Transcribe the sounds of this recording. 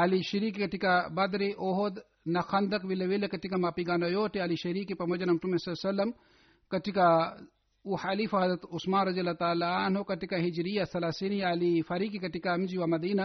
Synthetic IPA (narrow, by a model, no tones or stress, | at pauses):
ɐliʃɐɾiːkikɐʈikabɐd̪ɾiʔoɦod̪ | nɐxʰɐnd̪ɐkʋilɐʋelekɐʈikamapiɡaːnɐjoːʈiɐliʃɐɾiːkipɐmɐd͡ʒɐnɐmʈumesɐlsɐlːɐm | kɐʈika | uħɐlifɐɦɐzɾɐt̪usmaːnɾɐzijɐlat̪aːlaanɦokɐʈikaɦid͡ʒɾijasɐlasinijaːlifɐɾiːkikɐʈikamd͡ʒiʋamɐd̪iːnɐ